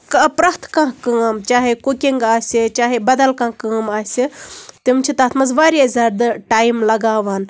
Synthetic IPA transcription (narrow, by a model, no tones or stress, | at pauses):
kɐpɾɐht̪ʰkãɦkɐːmt͡ʃaːɦekukʲiŋɡaːsʲit͡ʃaːɦebɐd̪ɐlkãːɦkɨːmaːsʲit̪imt͡ʃʰit̪aːt̪ʰmɐzʋaːɾazʲɐɾd̪ɨʈaːjmlɐɡaːʋɐn